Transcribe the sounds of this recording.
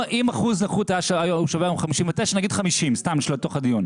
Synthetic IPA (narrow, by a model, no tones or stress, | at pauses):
ʔimaχuznaχuthajaʃaajouʃaveajomχamiʃimvet̪eʃanaɡid̥χamiʃimstamiʃlot̪o̞χad̪ijun